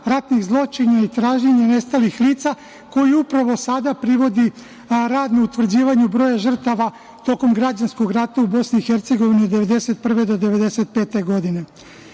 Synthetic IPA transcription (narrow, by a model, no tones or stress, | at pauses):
ɾat̪niɣzlˠo̞t͡ʃiɲait̪ɾaːʒɲeɲene̞st̪alixliːt̪sa | ko̞jiupɾaʋo̞sad̪apɾiʋo̞d̪i | ɾaːd̪nuut̪ʋr̩d͡ʑiːʋaɲubɾo̞ːjaʒr̩t̪aʋa | t̪o̞ko̞mɡɾad͡ʑansko̞ɡɾat̪aubo̞sniːxe̞ɾt̪se̞ɡo̞ʋiniod̪eʋe̞d̪e̞se̞t̪̚pr̩ʋed̪o̞d̪e̞ʋe̞d̪e̞se̞t̪̚pe̞ːt̪e̞ɡo̞d̪ine̞